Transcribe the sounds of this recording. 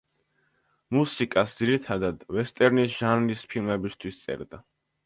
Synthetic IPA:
musikʼasd̪ziɾit̪ʰad̪ad̪vɛst̪ʼɛɾnisʒ̥anlispʰilˠmɛbist̪ʰwist̪sʼɛ̰ɾd̪a

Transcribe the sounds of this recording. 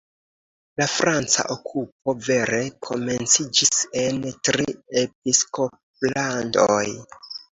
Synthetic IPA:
lafɾant͡sa̰ʔokʰup̚o̞ve̞ɾe̞kʰo̞me̞nt͡sid͡ʒise̞ntɾie̞pisko̞p̚lando̰j

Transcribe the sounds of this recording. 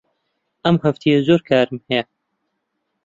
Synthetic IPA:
ʔɐmhɐft̪ʰijɐzoːɾkʰaːɾɨmhɛjɐ

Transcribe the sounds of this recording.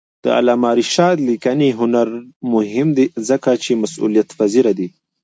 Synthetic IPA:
d̪̥ə̰a̰lɑmɑɾiʃɑd̪likaniɦʊnaɾmʊɦɪmd̪izəkat͡ʃemasṵlijat̪faziɾad̪i

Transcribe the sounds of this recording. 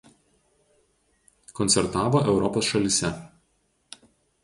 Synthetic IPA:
kɔnʲt̪sʲɛɾt̪ɑːʋoːʔɛʊɾɔpoːsʃɐlʲɪsʲɛ

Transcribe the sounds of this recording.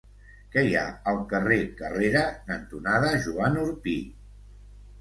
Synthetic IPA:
kɛja̰əlˠkərekəreɾənənt̪unaðəʒuanuɾpi

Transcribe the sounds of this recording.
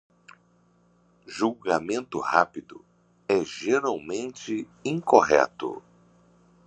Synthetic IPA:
ʒuwɡamẽnt̪ʊhapid̪ʊ | ɛʒeɾawmẽnt͡ʃɪ | ĩŋkoɦɛ̰t̪ʊ̰

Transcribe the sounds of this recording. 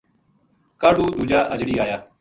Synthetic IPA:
kaːɖuːd̪uːd͡ʒaːʔəd͡ʒɽiːaːjaː

